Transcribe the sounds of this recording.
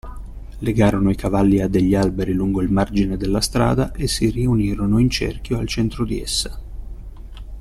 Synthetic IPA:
leɡaːɾonoikʰavalːiad̪ːeʎːialbeɾiluŋɡoilmard͡ʒined̪elːast̪ɾa̰ːd̪aʔesːiriuniːɾonoint͡ʃḛrkjoalt͡ʃɛnt̪ɾod̪iɛ̰sːḁ

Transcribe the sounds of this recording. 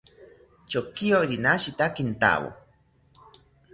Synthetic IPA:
t͡ʃokioɾinaʃit̪akint̪a̰wo̰

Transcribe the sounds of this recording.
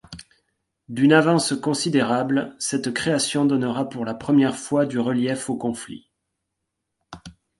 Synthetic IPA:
d̪ynavɑ̃skɔ̃sid̪eʁablsɛt̪kχeasjɔ̃d̪ɔnəʁapuʁlapχəmjɛʁfwad̪yʁəljɛfokɔ̃flḭ

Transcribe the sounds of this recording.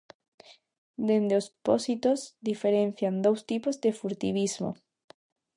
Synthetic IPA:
d̪end̪eosposit̪ozd̪ifeɾẽnθjand̪owst̪ipozd̪efuɾt̪iβizmo̰

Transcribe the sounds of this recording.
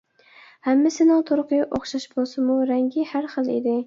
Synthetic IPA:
hæmːɪsɪnɑŋt̪ʰoɾqɨʔoχʃaʃbolˠsɪmʊɾæŋɡʲɪhæɾχɨlˠḛd̪ɪ

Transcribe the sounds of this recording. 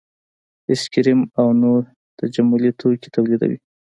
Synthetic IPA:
ɪskɾimawnoɾ | t̪ad͡ʒamulit̪ʰoke̥t̪awlid̪a̰wḭ

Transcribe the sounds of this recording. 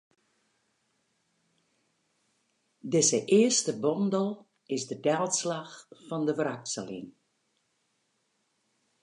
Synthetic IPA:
dɪzəʔɪərstəbɔndəlˠ | ɪzdədɛlˠtslaxfɔndəvraksəlḭn

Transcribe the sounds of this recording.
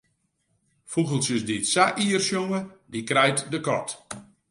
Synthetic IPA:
fuɣəlˠsjəsditsaʔiərsjoŋədikrɛjtdəkɔ̰t

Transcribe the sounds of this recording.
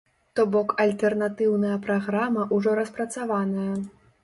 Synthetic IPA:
t̪ɔbɔkɐlʲt̪ɛrnat̪ɨwnɐjɐpɾaɣɾamɐʔuʐɔɾɐspɾɐt̪savanɐjɐ

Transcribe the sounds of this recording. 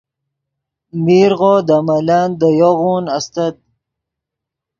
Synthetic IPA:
miɾɣod̪amalaːnd̪əjoɣuːnast̪ad̪̚

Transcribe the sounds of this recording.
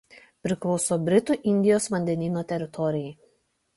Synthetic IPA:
pʲɾʲɪklˠɒʊsoːbʲɾʲɪt̪uːˑʔɪnʲd̪ʲɪjoːsʋɐnʲd̪ʲɛnʲiːnoːt̪ʲɛɾʲɪt̪ʰɔɾʲɪjɛɪ

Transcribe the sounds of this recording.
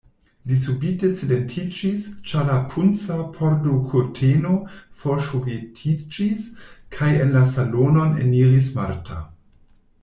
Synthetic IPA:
lis̬ubiteside̞ntʰid͡ʒist͡ʃaɾlapʰunt͡sapʰoɾdokʰotʰeno̞foʃovetʰid͡ʒiskʰajḛnlasalo̞no̞nḛniɾis̬ma̰ɾtʰa̰

